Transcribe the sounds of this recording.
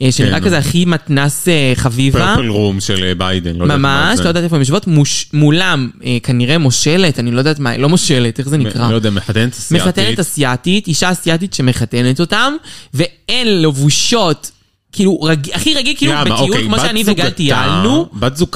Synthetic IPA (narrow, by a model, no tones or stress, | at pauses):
ʃeniʁakazeaχimat̪naseχavivaplʁumʃelbajd̪enlomamaʃlod̪aːt̪efoemʃ̬votmuʃmulamekaniʁemo̞ʃe̞le̞tanilod̪aːtmalo̞mo̞ʃe̞leteχzenikʁalojdeaameħat̪enetasmeχat̪enetasjatitiʃaːsijatit̪ʃe̞me̞χate̞net̪o̞tamve̞enlevuʃo̞t | kiːluʁaɡiaχiʁaɡilkiɡabiulkmoʃeaniveɡaltialnubatzuk